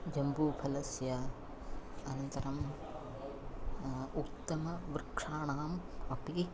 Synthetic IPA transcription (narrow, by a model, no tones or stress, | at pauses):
d͡ʒɐmbupʰɐlɐsjɐ | ɐnɐnt̪ɐɾɐm | ut̪ːɐmɐʋɾɪkʂaːɳaːmɐpːii